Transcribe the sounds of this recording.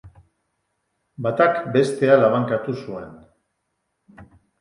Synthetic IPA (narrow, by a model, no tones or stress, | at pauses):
bat̪akbe̞st̪e̞alaβ̞aŋkat̪usue̞n